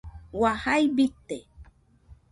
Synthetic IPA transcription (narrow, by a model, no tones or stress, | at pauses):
wahajbit̪ːe